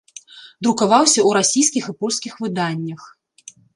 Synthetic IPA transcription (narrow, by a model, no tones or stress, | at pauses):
d̪ɾukavawsʲɐwɾasʲijskʲixɨpɔlʲskʲixvɨd̪anʲːɐx